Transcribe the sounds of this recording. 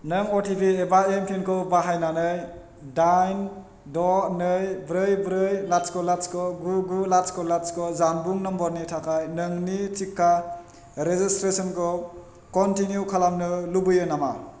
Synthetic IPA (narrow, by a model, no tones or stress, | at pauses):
nɯŋotʰipiebaemkʰinkʰɯwbaɦajnanɯj | dajn | dɔnɯjbɾɯjbɾɯjlaskʰɔlaskʰɔɡuɡulaskɔlaskʰɔzanbuŋnɯmbɔɾnitʰakʰajnɯŋnit͡ʃikʰːa | ɾezistɾesɔnkʰɔ | kɔntinjukʰalamnɯlubɯjɯnama